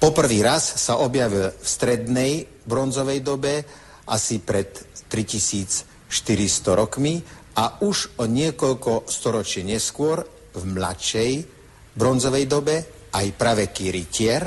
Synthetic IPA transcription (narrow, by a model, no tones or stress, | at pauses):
pɔpr̩ʋiːɾasːaʔɔbjaʋilfst̪ɾɛd̪nɛj | bɾɔnzɔʋɛjd̪ɔbɛ | ʔasipɾɛt̪ːɾicisiːt͡s | ʃt̪iɾist̪ɔɾɔkmi | ʔauʒɔɲɪɛkɔʎkɔst̪ɔɾɔt͡ʃɪɛɲɛskʊɔɾ | vmla̰t͡ʃɛj | bɾɔnzɔʋɛjd̪ɔbɛ | ajpɾaʋɛkiːɾicɪɛɾ